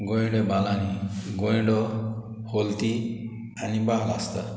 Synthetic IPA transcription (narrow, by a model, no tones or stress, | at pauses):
ɡɔjɳɖebalaniɡojɖɔ | holt̪i | anibaɦla̰st̪a